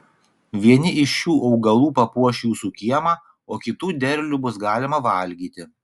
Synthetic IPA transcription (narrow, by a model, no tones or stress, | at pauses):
ʋʲiɛnʲɪʔɪʃjuːʔɒʊɡɐlˠuːpɐpuɔʃʲjuːsʊkʲiɛmɑː | oːkʲɪt̪uːd̪ʲɛɾʲlʲubʊsɡɑːlʲɪmɐʋɐˑlʲɡʲiːt̪ʲɪ